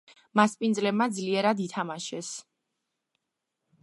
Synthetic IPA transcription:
maspʼind̪zlɛbmad̪zliɛɾad̪it̪ʰamaʃɛs

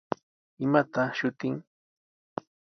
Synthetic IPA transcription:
ɪmat̪aʃʊt̪ɪŋ

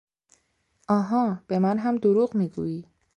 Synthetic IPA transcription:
ʔɒːɦɒːb̥e̞mænɦæmd̪oɾuːɢmiːɡṵːiː

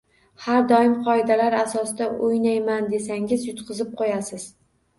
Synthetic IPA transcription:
haɾd̪ɒɪmqʰɒɪd̪alaɾasɒsɪd̪aʔojnajmand̪e̞saŋʲɪzjʊt̪qʰɨzɪp̚qʰojasɪz̥

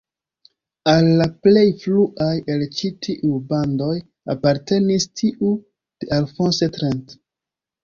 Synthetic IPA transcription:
alːaple̞jfluʔaje̞lt͡ʃitʰiʔubando̞j | apaɾte̞nistʰiʔu | d̥eʔalfonsetɾent

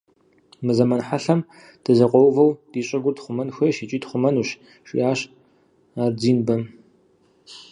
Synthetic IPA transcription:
mɨzɐmɐnħaɬɐm | d̥ɨzɐqʷɔwvɐwd̥iːɕʼɐɡʷʊrtχʷʊmɐnxʷɐʃit͡ʃʼiːdχʷʊmɐnuːɕ | ʃḭaːɕ | aːrd͡ziːnbɐ

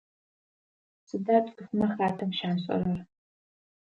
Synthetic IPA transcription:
sɨdaːtʼkɨxɨmɐxraːtʰɐmʃaːmɕʼɐ̰ɾɐr

